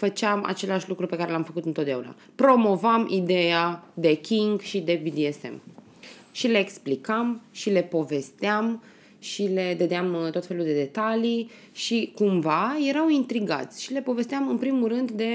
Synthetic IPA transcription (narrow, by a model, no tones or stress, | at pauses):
fət͡ʃeama̰t͡ʃe̞leaʃlukɾupekaɾe̞lamfəkut̪ɨnt̪ot̪d̪eauna̰ | pɾo̞mo̞vamʔid̪ejad̪e̞kʲiŋɡʃid̪e̞bid̪iesḛm | ʃile̞ːksplikamʃile̞po̞ve̞st̪eam | ʃile̞d̪əd̪eamt̪o̞t̪fe̞luld̪e̞d̪e̞t̪ali | ʃikumvaje̞ɾawint̪ɾiɡa̰t̪sʲʃile̞po̞ve̞st̪eamɨnpɾimuɾɨnd̪d̪e̞